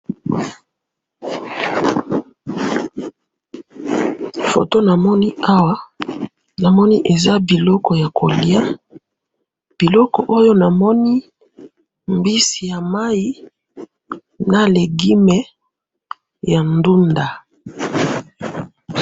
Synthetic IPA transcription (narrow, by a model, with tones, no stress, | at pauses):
fo̰˨to˦na˨mɔ˦ni˦a˦wa˦ | na˨mɔ˦ni˦ʔe˨za˦bi˨lɔ˦kɔ˨ja˨kʰo˨li˦a˦ | b̥i˨lɔ˦kɔ˨ʔo˦jo˦na˨mɔ˦ni˦ | mbi˦si˨ja˨ma˦ji˦ | na˨le˨ɡi˦mɛ˦ | ja˨ndu˦nda˨